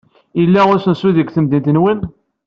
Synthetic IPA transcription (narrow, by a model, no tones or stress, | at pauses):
əlːæʊɾsənsuðəɡθəmd̪int̪nwən